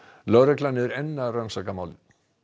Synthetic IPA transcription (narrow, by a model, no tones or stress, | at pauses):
lœɣɾɛklanːɪɛɾɛnːarœnsakamawlɪ